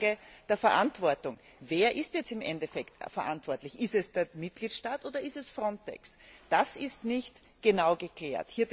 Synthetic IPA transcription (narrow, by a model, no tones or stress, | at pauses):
ɡəd̥eːɐfɛɐʔantv̥ɔɐtʊŋ | veːɐʔɪstjɛt͡stɪmʔɛ̰ndɛfɛktfɛɐʔantv̥ɔɐtlɪçɪstɛsd̥eːɐmɪt̚ɡ̥liːtʃtaːtʔoːdɐɪstɛsfʁɔntɛ̰ksd̥asɪstnɪçt | ɡ̥ənaʊɡəkl̥eːɐthiːɐb